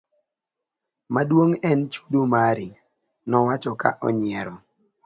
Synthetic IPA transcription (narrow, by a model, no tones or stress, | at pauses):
madwoŋɛnt͡ʃu̥domaɾi | nɔwat͡ʃɔka̰ʔɔ̰ɲɪɛɾɔ